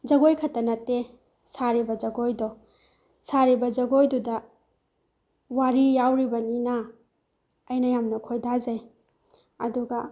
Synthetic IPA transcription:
d͡ʒɐɡojkʰɐtɐnɐtːe | saɾibɐd͡ʒɐɡojdɔ | saɾibɐd͡ʒɐɡojdudɐ | waɾijawɾibɐninɐː | jnɐjamnɐkʰojdazɐj | ɐduɡɐ

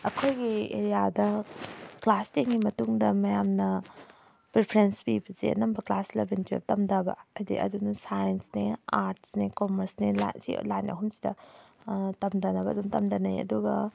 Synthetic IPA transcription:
ɐkʰojɡiḛɾijadɐ | klastiŋɡimɐtuŋdɐmɐjamnɐ | pɾepʰɾensbibɐsḛɐ̰nɐmbɐklaslɐbentḛbtɐmdabɐ̰ɐdḭʔɐ̰dunusajensneaɾtsnekomɐɾsnela̰sḭlajnɐ̰ɦumsi̥dɐ̰ | tɐmdɐnɐbɐdumtɐmdɐnɐjɐ̰duɡɐ

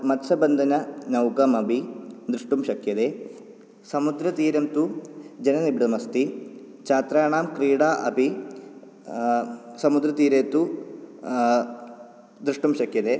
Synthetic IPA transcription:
mɐt̪sɐbɐnd̪ʱɐnɐnɐwkɐmɐbʱid̪ɾuʂʈumʃɐkʰjɐd̪eː | sɐmud̪ɾɐt̪iːɾɐmt̪ud͡ʒɐnɐnibɽɐmɐst̪i | t͡ʃaːt̪ɾaːɳaːmkɾiːɽaːʔɐbi | sɐmud̪ɾɐt̪iːɾeːt̪u | d̪ɾuʂʈumʃɐkjɐd̪eː

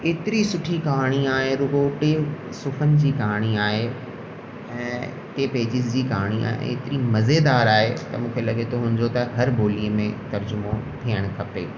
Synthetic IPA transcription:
eːt̪ɪɾisʊʈʰikaːɽ̃iaːɦeɾʊɡoʈe | sʊfənɪ̆d͡ʑiːkaːɽ̃iaːɦe | ɛ̃ː | t̪eːpeɦd͡ʑɪzd͡ʑiːkaːɽ̃ia̰ːɦḛ̃ɪt̪ɪɾimɐzed̪aːɾaːɦet̪ɐmũːkʰelɐɡʱet̪ʰoɦũːɲ̆d̪ot̪ɐɦɐɾbʱoːliəmẽt̪ɐɾd͡ʑʊmot̪ʰiːəɽ̃kʰɐpeː

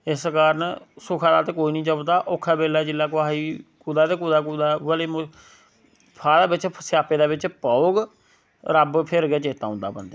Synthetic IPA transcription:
ɪskaːɾənsʊkʰaːd̪aːt̪eːkoːiːnĩːt͡ʃəbt̪aːʔokʰːaːbeːlaːd͡ʒɪlːaːk̬ʊaːɦiːkuːd̪aːt̪eːk̬uːd̪aːkuːd̪aːʋəleːm | pʰaːd̪aːbɪt͡ʃʰsjaːpeːd̪aːbɪt͡ʃpaoːɡ | ɾəbpʰɪɾɡɛːt͡ʃeːt̪aːʊ̃ːnd̪a̰ːpənd̪eː

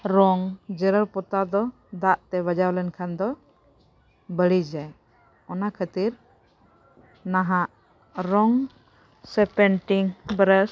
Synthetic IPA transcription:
ɾɔŋd͡ʒəɾəlpɔt̪ad̪ɔ | d̪aʔt̪ɛβəd͡ʒawlɛnkʰand̪ɔ | bəɽid͡ʒaj | ɔnakʰət̪iɾ | naɦaʔ | ɾɔŋ | sɛpɛɳʈiŋbɾəs

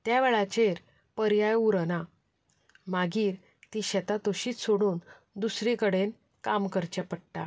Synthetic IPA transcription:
t̪jaʋɛɭat͡ɕeɾ | pəɾjajuɾəna | maɡiːɾ | t̪iɕɛt̪at̪oɕiːt͡ssoɽuːn | d̪usɾikəɽen | kamkəɾt͡ɕɛpəɽʈa

